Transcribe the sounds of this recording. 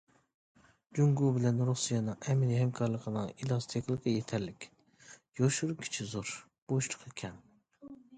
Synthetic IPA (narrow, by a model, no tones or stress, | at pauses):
d͡ʒuŋɡubɪlɛnɾusijɑnɨŋɛminihɛmkʰɑɾlˠəqʰənɨŋilˠɑst̪ʰekʲlˠəqəjet̪ʰɛɾlɪkʲ | joʃuɾkʲʰi̥t͡ʃʰizoɾ | b̥oʃlʰə̥qekʲʰɛn